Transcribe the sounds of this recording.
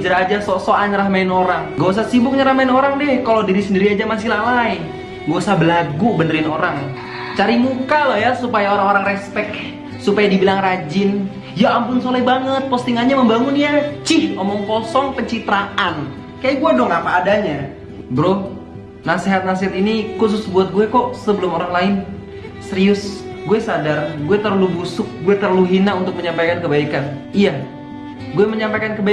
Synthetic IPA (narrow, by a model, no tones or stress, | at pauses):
d͡ʒəɾaːd͡ʒasɔsoaɲəɾahmaɪnoɾaŋɡos̬asibʊk̚ɲəɾahmaɪnoɾaŋdɛhkalodiɾisəndiɾiad͡ʒamas̬ilalain | ɡosabəlaɡubəndəɾɪnoɾaŋ | t͡ʃaɾimukalɔhjasupajaoɾaŋoɾaŋrɛspɛk̚ | supajadibilaŋrad͡ʒɪn | jaːmpʊnsolajbaŋət̪̚pɔst̪iŋanɲaməmbaŋʊnjat͡ʃɪhomɔŋkɔsɔŋpəɲt͡ʃit̪ɾaʔan | kajaʔɡuɛdɔŋapaːdaɲa | bəɾoh | naseɦat̪̚nas̬eɦat̪inikus̬ʊsbuat̪̚ɡuɛkɔʔsəbəlʊmoɾaŋlaɪn | səɾiʊs | ɡuɛsadarɡuɛt̪ərlubusʊk̚ɡuɛt̪ərluɦinaunt̪ʊk̚məɲampajkankəbaikanija | ɡuɛməɲampajkankəba